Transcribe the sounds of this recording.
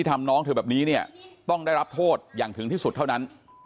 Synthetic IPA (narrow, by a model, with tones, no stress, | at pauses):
iː˥˩t̪ʰa˧mnɔː˦˥ŋt̪ʰɤː˧˩bɛː˨˩p̚niː˦˥ni˥˩ɐt̪ɔ˥˩ŋda˥˩jɾa˦˥p̚t̪ʰoː˥˩t̪̚jaː˨˩ŋt̪ʰɯ˨˩˦ŋt̪iː˥˩su˨˩t̪ʰːa˥˩na˦˥n